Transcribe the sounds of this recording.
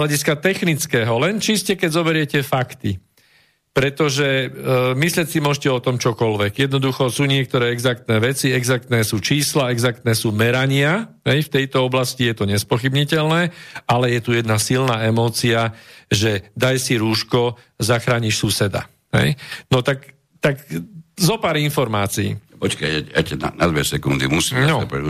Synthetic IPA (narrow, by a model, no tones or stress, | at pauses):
laɟiskat̪ɛxnit͡skɛːɦɔlɛnt͡ʃiscɛkɛɟzɔbɛɾɪjɛcɛfakt̪i | pɾɛt̪ɔʒɛmislɪɛcsimʊɔʒcɛɔt̪ɔmt͡ʃɔkɔlʋɛɡjɛd̪nɔd̪uxɔsuːɲɪɛk̚t̪ɔɾɛːɛɡzak̚t̪nɛːʋɛt͡siɛɡzak̚t̪nɛːsuːt͡ʃiːslaɛɡzak̚t̪nɛːsuːmɛɾaɲɪa | ɦɛjft̪ɛjt̪ɔɔblascijɛt̪ɔɲɛspɔxibɲicɛlnɛːalɛjɛt̪ujɛd̪nasilnaːɛmɔːt͡siaʒɛd̪ajsiɾuːʃkɔ | zaxɾaːɲiʃsusɛd̪a̰ | ɦɛ̰jnɔt̪ak | t̪akzɔpaːɾinfɔɾmaːt͡sḭːɔt͡ʃkaɛɛcɛna̰na̰d̪ʋɛsɛkund̪ḭmusiːmnɔɔ̰pɛ